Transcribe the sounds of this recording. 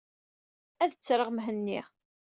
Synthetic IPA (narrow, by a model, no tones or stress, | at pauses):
æðət͡sːɾˤəʁmɦənːiʁ